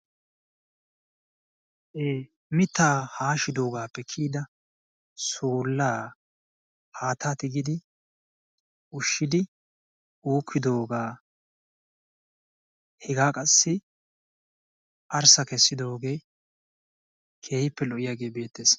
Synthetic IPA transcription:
ʔeː | mɪt̪ːaːhaːʃɪd̪o̞ːɡaːpːɛkʰiːd̪ɐ | suːlːaː | haːt̪aːt̪ɪɡɪd̪ɪ | ʊʃːɪd̪ɪ | uːkʰːɪd̪o̞ːɡaː | hɛɡaːkʼɐsːɪ | ʔɐɾsɐkɛsːɪd̪o̞ːɡe̞ː | kʰe̞ːhɪpːɛlɔʔɪjaːɡe̞ːbe̞ːt̪ːeːs

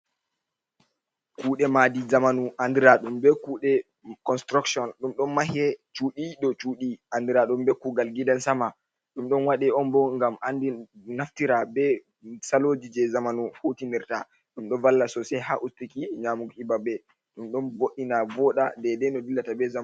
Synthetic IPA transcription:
kuːɗɛmadizamanuʔandiɾaɗumbɛkuːɗɛ | kɔnstɾuksɔnɗumɗɔnmahɛt͡ʃuːɗiɗɔt͡ʃuːɗiʔandiɾaɗumbɛkuɡalɡidansama | ɗumɗɔnwaɗɛɔnbɔŋɡamandinaftiɾabɛ | salod͡ʒid͡ʒɛzamanuhotiniɾta | ɗumɗɔvalːasɔsɛɦaʔustikiɲamuɡibabɛ | ɗumɗɔnboɗinavɔɗa̰dɛdɛnɔdilːatabɛza

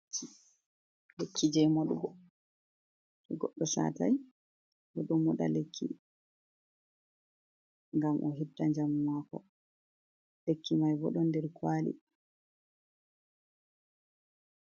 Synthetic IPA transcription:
lekːid͡ʒɛjmɔɗubɔ | ɛɡɔɗːɔsa̰taj | bɔɗɔmːɔɗa̰lekʰːi | ŋɡamʔɔɦitːaɲd͡ʒamwakɔ̰ | lekʰːimajbɔɗɔndɛɾkwaːlḭ

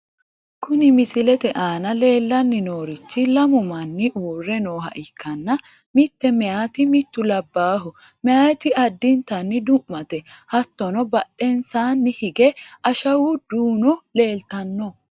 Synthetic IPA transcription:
kʊnɪmɪsɪlɛt̪ɛʔaːnɐle̞ːlːɐnːɪnoːɾɪt͡ʃːɪlɐmʊmɐnːɪʔuːrːɛnoːhɐ̰ʔɪkːɐnːɐ | mɪt̪ːɛmɛjaːt̪ɪmɪt̪ːʊlɐbːaːɦʊ | mɛaːɛt̪ɪʔɐd̪ːɪnt̪ɐnːɪd̪ʊmːɐt̪ɛhɐt̪ːɔnɔbɐɗːɛnsaːnːɪhɪɡɛɐʃɐwʊd̪̥uːnɔle̞ːlt̪ɐnːɔ

